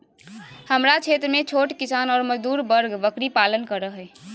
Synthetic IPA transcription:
həmɾat͡ʃʰet̪ɾəmẽt͡ʃʰoːʈkisaːnɔːɾməd͡ʒd̪uːɾbəɾɡbəkɾipalənkəɾəɦɛ

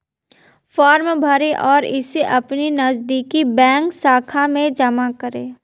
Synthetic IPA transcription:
fɔːɾmbʱəɾeʔɔːɾɪseʔɐpninɐzd̪iːkibɛ̃ːŋksaːkʰamẽd͡ʒɐmakəɾeː

